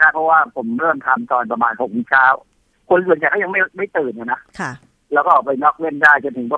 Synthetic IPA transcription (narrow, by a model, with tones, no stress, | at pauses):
naː˦˥˩pʰɔ˦˥waː˥˩pʰo˩˦mɾɤː˥˩mt̪ʰa˧mt̪ɔː˧npɾa˧maː˧nho˨˩k̚miː˦˥t͡ɕʰaː˦˥˩w | kʰo˧ns̬nt͡ɕa˨˩t̪ʰaː˥˩ja˧ŋma˥˩ma˥˩jt̪ɯː˨˩na˨˩na˦˥ʔkʰ | lɛː˦˥wkɔː˥˩ʔɔː˨˩pa˧jnɔ˦˥k̚we˥˩ndaː˥˩jt͡ɕo˧nt̪ʰɯ˩˦pʰɔ˧